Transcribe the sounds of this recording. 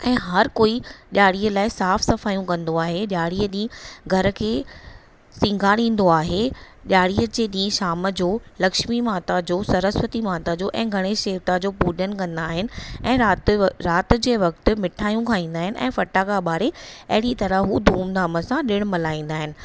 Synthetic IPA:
ɛ̃ːɦɐɾkoːiɗʲjaːɽiəlaːɪsaːfsɐfaːjũkɐ̃nd̪oaːɦeɗjaːɽiːəɗĩːɡʱɐɾə̆kʰeː | sĩŋɡʱaɽĩːn̆d̪oaːɦe | ɗjaːɽiːəd͡ʑeːɗĩːʃaːməd͡ʑoːlɐkʃmimaːt̪ad͡ʑoːsɐɾəsʋət̪imaːt̪ad͡ʑoːʔɛ̰̃ːɡʱɐɽ̃eʃeːʋt̪ad͡ʑoːpuːɗənkɐ̃nd̪aːɦɪnɪ̆ɛ̃ːatɾaːt̪̆d͡ʑeːʋɐk̚t̪ɪ̆mɪʈʰaːjũkʰãːĩːnd̪aːɦɪnɪʔɛ̰̃ːfɐʈaːkaɓaːɾeɐɦɪɽit̪ɐɾəɦud̪ʱuːmd̪aːməsãɗɪɽ̃mɐlaːĩːn̆d̪aːɦɪnɪ̆

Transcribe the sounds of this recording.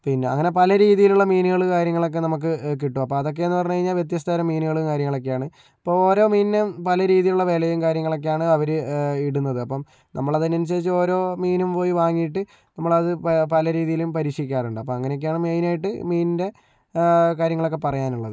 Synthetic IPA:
pinːeɐ̰ŋːɐne̞pɐlɐɾiːðijiluɭːɐmiːnɨɣɐɭukaːɾjɐŋːɐɭo̞k̬ːe̞nɐmuk̬ːɨk̬iʈːumɐpːoːɐðo̞k̬ːe̞enːɨpɐrɐɲːukɐɻiɲːaːlʋje̞t̪̬jɐst̪ʰaːɾɐmːiːnɨɣɐɭukaːɾjɐŋːɐɭo̞k̬ːejaːɳɨ | ɐpːoːoːɾo̞ːmiːnnepɐlɐɾiːðijiluɭːɐʋe̞ːlɐjumkaːɾjɐŋːɐɭo̞kːejaːɳɨɐʋɐɾɨiɽunːɐðɨɐpːɐm | nɐmːɐɭɐðinːens̬ɐðit͡ɕːɨo̞ːɾo̞ːmiːnumpo̞ːjiʋaːŋːijiʈːɨ | nɐmːɐɭɐðɨpɐlɐɾiːðijilumpɐɾiːkʂɐikʲːaːruɳɖɨɐpːɐmɐŋːɐnejokːejaːɳmeːnaːjiʈːɨ̰miːnnde̞ | kaːɾjɐŋːɐɭo̞kːe̞pɐrɐjaːnuɭːɐðɨ

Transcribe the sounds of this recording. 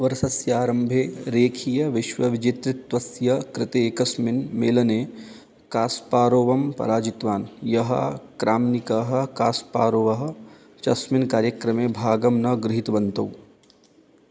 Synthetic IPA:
ʋɐɾsɐsjɐaːɾɐmbʱeːɾeːkʰijɐʋɪʃʋɐʋɪd͡ʒit̪ɾɪt̪ʋɐsjɐkɾɪt̪eːkɐsmɪnmḛːlɐneː | kaːspaːɾoːʋɐmpɐ̰ɾaːd͡ʒit̪ʋaːnjɐɦɐ̰kɾaːmnikɐɦɐ̆kaːspaːɾoːʋɐɦɐ̆ | t͡ʃɐsmɪnkaːɾjɐkɾɐmeːbʱaːɡɐmnɐɡɾɪɦit̪ʋɐnt̪ɐw

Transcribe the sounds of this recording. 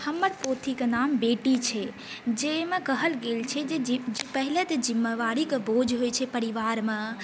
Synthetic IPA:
həməɾpot̪ʰikenambeʈit͡ʃʰe | d͡ʒemẽkəɦəlɡelt͡ʃʰed͡ʒepəɦɪlət̪d͡ʒimːeʋaɾikbod͡ʒʱɦojt͡ʃʰepəɾiʋaɾmẽ

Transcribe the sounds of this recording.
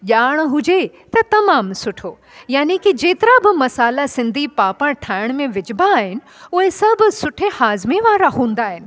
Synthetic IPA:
ʄaːɽ̃ɦʊd͡ʑe | t̪ɐt̪ɐmaːmsʊʈʰo | jaːnikid͡ʑeːt̪ɪɾabɪmɐsaːlasɪ̃nd̪ʱipaːpə̃ɽʈʰaːɪɽ̃mẽʋɪd͡ʑbaːɦɪnɪ̆ʊɦesɐbʱʊ̆sʊʈʰehaːzmeʋaːɾaɦũːnd̪aːɦɪnɪ̆

